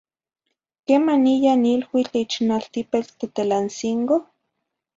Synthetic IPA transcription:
kemanijanilwit͡ɬit͡ʃnalt̪ipet͡ɬt̪et̪elansiŋko

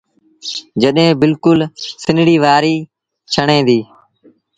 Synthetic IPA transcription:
d͡ʒəɗɦẽːbɪlkʊlsɪnɽiːʋaːɾiː | t͡ʃʰəɳẽːd̪iː

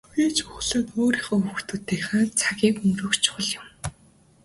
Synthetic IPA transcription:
ɣʲiːt͡ɕʊχɮaːt̪oːɾiːχɔɵxt̪uːt̪ːeːχaːt͡sʰaɣʲiːkɵmrɵ̆ːkt͡ɕʰʊ̥χə̆ɮjʊ̆m

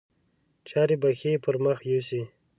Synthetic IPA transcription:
t͡ʃʰɑːɾibaxepʰəɾməxjusi

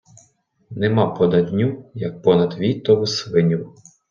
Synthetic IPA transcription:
nɛmɑpɔd̪ɐd̪ʲnʲujɐk̚pɔnɐd̪ʋʲit̪ːɔʋʊsʋɪnʲu

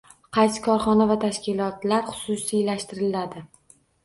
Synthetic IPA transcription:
qʰɑjsɪ̥kʰɒɾχɒnavat̪ʰaʃkʲɪlɒt̪laɾχʊ̥sʊsilaʃt̪ɪɾɪlad̪ɪ

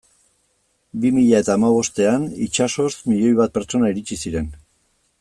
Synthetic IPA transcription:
bimiʎae̞t̪aːmaβ̞o̞st̪e̞anit͡ʃaso̞smiʎo̞jβ̞at̪̚pe̞ɾt͡ʃo̞naiɾit͡ʃisiɾe̞n

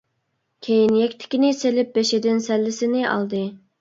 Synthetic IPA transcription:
kʲʰejinjɛkʲt̪ʰɪ̥kʲinɪselɪp̚beʃɪd̪ɪnsɛlːɪsɪnɪʔɑ̰lˠd̪ɨ

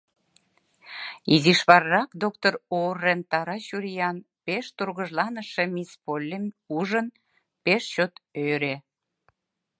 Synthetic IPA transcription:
iziʃβɑrːɑkd̪ok̚t̪ororːent̪ɑɾɑɕuɾijɑn | peʃt̪urɣəʒlɑnəʃemispolʲːemuʒən | peʃt͡ɕot̪øɾe

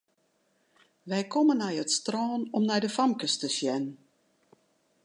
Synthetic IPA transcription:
ʋɛjkomənɛjətstrɔːnɔmnɛjdəfamkəstəsjɛn

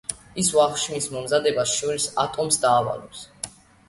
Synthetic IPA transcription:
isvaχʃmismɔmzad̪ɛbasʃɔɾisat̪ʼɔmsd̪aːva̰lɔps

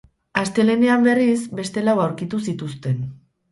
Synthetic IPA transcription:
ast̪e̞le̞neambe̞risbe̞st̪e̞lawawɾkit̪us̬it̪ust̪e̞n

